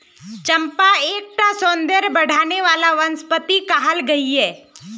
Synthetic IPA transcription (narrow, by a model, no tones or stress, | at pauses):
t͡ʃɐ̃mpaeːk̚ʈ̪asõːnd̪eɾbɐɽ̤ʱaːneʋaːlaʋɐnspət̪ikaɦəlɡɐiɦɛː